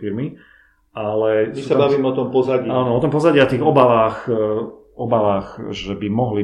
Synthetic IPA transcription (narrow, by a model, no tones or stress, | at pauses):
iɾmi | alɛmissabaʋiːmɛɔt̪ɔmpɔzaɟaːnɔɔt̪ɔmpɔzaɟiat̪iːɣɔbaʋaːx | ɔbaʋaːxʒɛbimɔɦli